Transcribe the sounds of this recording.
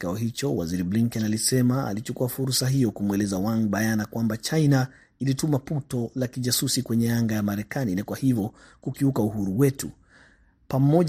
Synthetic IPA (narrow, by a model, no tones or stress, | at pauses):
kaɔɦit͡ʃɔwa̰ziɾibliŋkɔnalisɛmaa̰lit͡ʃukuafuɾsaɦijɔkumwɛlɛzawaŋbajanakwambat͡ʃajna | ilitumaputɔlakiʄasusikwɛɲɛaŋɡajamaɾɛkaninakwahivjɔ | kukiukauɦuɾuwɛtu | pam̩ɔ